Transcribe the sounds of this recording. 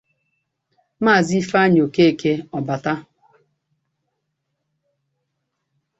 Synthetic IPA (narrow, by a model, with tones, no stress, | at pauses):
maː˦˨zi˦fa˦ɲo˨ke˦e˨ke˦ɔ˨ba˨ta˦